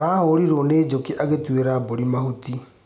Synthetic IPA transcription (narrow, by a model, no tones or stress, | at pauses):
aːɦoɾiɾoneːd͡ʒokiʔaɣetweɾaboɾimahuti